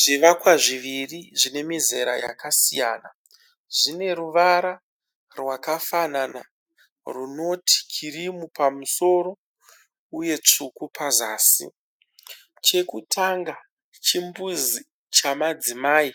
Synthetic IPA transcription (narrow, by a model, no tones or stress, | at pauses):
ʐiʋakwaʐiʋiriʐine̞mize̞ɾa̰ja̰kasija̰ːna | ʐine̞ruʋaɾa | rwakafanana | runo̞tʰi̥t͡ʃiɾimupamuso̞ɾo | uje̞t͡ʂukupʰazaːsḭ | t͡ʃe̞kutʰaŋɡa | t͡ʃimbuzi | t͡ʃamad͡zimaːi